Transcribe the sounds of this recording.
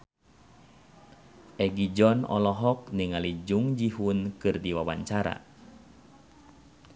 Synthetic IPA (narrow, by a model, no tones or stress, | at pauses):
ʔɛɡid͡ʒɔnɔ̰lɔɦɔk̚niŋalid͡ʒuŋd͡ʒiɦunkɨrdiwawa̰ɲt͡ʃaɾa̰